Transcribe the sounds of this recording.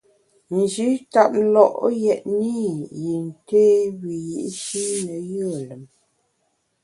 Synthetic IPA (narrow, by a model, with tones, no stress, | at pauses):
n˨d͡ʒi˨˦ta˦p̚lɔ˦˨ʔjɛ˨ʔni˦˨ji˨n˨te˦ɣi˨jḭ˦ʔʃi˦nə˨jə˦˨lə˨m